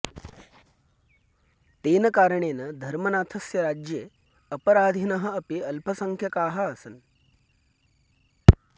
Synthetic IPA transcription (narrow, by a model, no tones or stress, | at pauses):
t̪eːnɐkaːɾəɳeːnɐd̪ʱɐɾmɐnaːt̪ʰɐsjɐɾaːd͡ʒjeː | ɐpɐɾaːd̪ʱinɐɦɐɐpeɐlpʰɐsɐŋkʰjɐkaːɦɐːsɐn